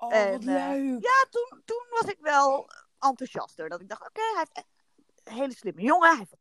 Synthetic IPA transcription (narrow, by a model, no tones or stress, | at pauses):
ɛnjaːtuntunʋɑsɪkʋɛlˠ | ʔɑntusɑ̰stəɹdɔtɪɡ̚dɔχtoːkejɦɛftɛt | ɦejləslɪməjoŋəɦɛf